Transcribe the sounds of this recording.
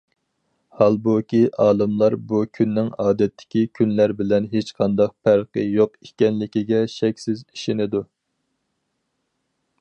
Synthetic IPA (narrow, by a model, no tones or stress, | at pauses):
hɑlˠbukʲiʔɑːlˠɨmlˠɑɾbukʲʰynːɪŋɑːd̪ɛt̪ʰːɪ̥kʲikʲʰynlæɾbɪlɛnɦet͡ʃqʰɑnd̪ɑq̚pʰæɾqəjoqikʲɛnlɪkʲiɡʲɛʃɛkʲsɪzi̥ʃɪnɪd̪u